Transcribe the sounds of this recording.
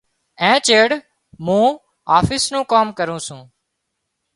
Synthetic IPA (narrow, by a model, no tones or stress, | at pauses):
ɛ̃ːt͡ʃeːɽ | mũː | aːfɪsnũːkaːmkəɾũːsũː